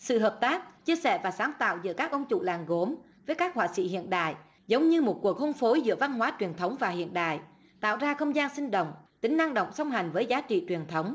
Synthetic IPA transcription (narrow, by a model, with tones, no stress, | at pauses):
sɨ̰˧˨ɦəː˨˩p̚t̪aː˦˥k̚t͡ɕi˧əsɛ̰˧˩vaː˨˩saː˨˦nt̪a̰ː˧˨wzɨ̰˧˥əkaː˦˥k̚ʔə˧wŋ͡mt͡ɕṵ˧˨laː˨˩nɣo˨˦m | vəː˨˦jkaː˦˥k̚hwaː˧˨sḭ˧˨hḭ˧˨ənɗa̰ː˧˨j | zə˨˦wŋ͡mɲɨ˧mo˨˩t̚ku˨˩ək̚ho˧ŋ͡mfo˨˦jzɨ̰˧˥əva˧nɦwaː˨˦t͡ɕwi˨˩ənt̪ʰə˨˦wŋ͡mvaː˨˩hḭ˧˨ənɗa̰ː˧˨j | t̪a̰ː˧˨wzaː˧xə˧wŋ͡mzaː˧nsï˧ŋ̟ɗə̰˧˨wŋ͡mt̪ï˨˦ŋ̟ʔa˧ŋɗə̰˧˨wŋ͡msə˧wŋ͡mɦa˨˩jŋ̟vəː˨˦jzaː˨˦t͡ɕḭ˧˨t͡ɕwi˨˩ənt̪ʰə˨˦wŋ͡m